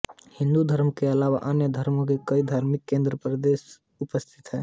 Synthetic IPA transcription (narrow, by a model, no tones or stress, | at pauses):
hɪ̃nd̪ud̪ʱəɾmkeɐlaːʋa̰ʔənjəd̪ʱəɾmõkekəid̪ʱaːɾmikːẽːnd̪ɾəpɾəd̪es | ʊpəst̪ʰi̥t̪ɦɛː